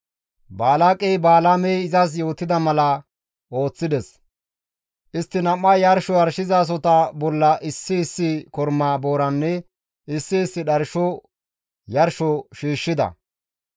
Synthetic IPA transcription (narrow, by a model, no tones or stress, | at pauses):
baːlaːkʼɛjbaːlamɛjɪzɐs̬jo̞ːt̪ːɪd̪ɐmɐlɐ | ʔo̞ːt͡sːɪd̪ɛs | ʔɪst̪ːɪnɐmːɐjɐɾʃɔɐɾʃɪzaːs̬ɔt̪ɐbɔlːɐʔɪsːɪːsːɪkɔɾmaːbo̞ːɾɐnːɛ | ɪsːɪːsːɪɗɐɾʃɔ | jɐɾʃɔʃiːʃːɪd̪ɐ̰